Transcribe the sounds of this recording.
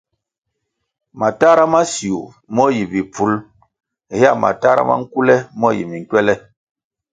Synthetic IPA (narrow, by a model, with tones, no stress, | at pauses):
ma˨ta˦ɾa˦ma˦si˨u˨ | mɔ˦ji˨bi˨pu˨˦l | hi˦a˦˨ma̰˨ta˦ɾa̰˦ma̰˦ŋ̩˦ku˦lɛ˦mɔ˦jḭ˨mi˨ŋ˨kwɛ˦lɛ˦